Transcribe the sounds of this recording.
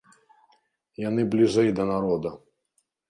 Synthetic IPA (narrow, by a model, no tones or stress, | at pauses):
janɨblʲiʐɛjd̪ɐnaɾɔd̪ɐ